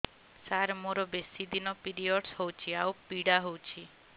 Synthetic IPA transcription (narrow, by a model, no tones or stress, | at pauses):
saɾmoɾɔbesid̪inɔpiɾiɔʈsɦɔwt͡ʃʰiaupiɽaɦowt͡ʃʰi